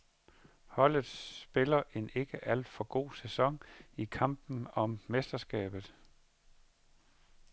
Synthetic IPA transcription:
hɒ̽l̰ð̩ˠsb̥e̝lɐʔe̝ne̝ɡ̥əʔæl̰d̥fɒ̽ɡ̥o̝̰ːsæsɒ̽ŋikʰɑ̈mb̥n̩ɒ̽mːesd̥ɐsɡ̥ɛ̰ːb̥ð̞̩ˠ

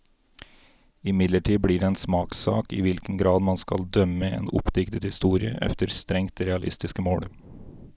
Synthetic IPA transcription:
ɪmɪd̪ləʈʰiːbɽiːɖeeːnsmɑːksɑ̰ːkḭːʋɪlkən̩ɡɾɑːd̪mɑnskɑ̰ld̪œməḛːnʊ̰pd̪ɪkt̪ət̪hɪst̪uːɾɪəʔɛ̰ft̪əɾst̪ɾɛŋt̪ɾɛɑlʔɪ̰st̪ɪskəmoːɽ

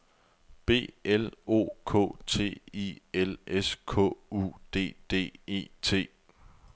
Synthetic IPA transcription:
b̥e̝̰ːelo̝̰ːkʰɔ̰ːt͡sʰe̝̰ːieleskʰɔ̰̽ṵd̥e̝̰ːd̥e̝̰ːe̝ːt͡sʰe̝̰ː

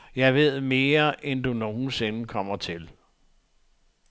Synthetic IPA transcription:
jɑ̈ɪʋe̝ð̞̰ˠme̝ːɐʔend̥uno̝ːn̩se̝nəkʰɒ̽m̰ɐt͡sʰel

